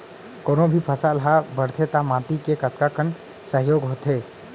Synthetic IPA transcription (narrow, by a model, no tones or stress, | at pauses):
koːnõbʱipʰəsaːlɦabəɽt̪ʰet̪amãːt̪ikekət̪kakən | səɦjoːɡɦoːt̪ɦeː